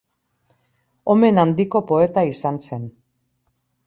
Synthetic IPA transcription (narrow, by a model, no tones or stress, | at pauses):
o̞me̞nand̪iko̞po̞e̞t̪aisanse̞n